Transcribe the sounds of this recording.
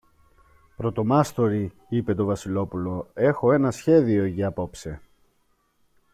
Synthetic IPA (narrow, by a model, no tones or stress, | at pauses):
pɾo̞t̪o̞mɐst̪o̞ɾi | ipe̞t̪o̞vɐsilo̞pulo̞e̞xo̞e̞nɐsçe̞ðio̞ʝɐɐpo̞pse̞